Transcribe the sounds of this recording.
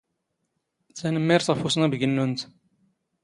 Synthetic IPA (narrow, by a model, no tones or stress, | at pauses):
θænəmːɪɾθʁəfusnæbəɡənːunt̪